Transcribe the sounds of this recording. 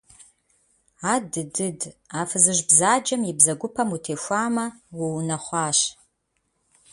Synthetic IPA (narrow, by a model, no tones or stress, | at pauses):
aːdɨdɨdaːfɨzɨʒbzaːd͡ʒɐmjɪbzɐɡʷʊpʰɐmutʰeːʃʷaːmɐwʊwnɐχʷɑːɕ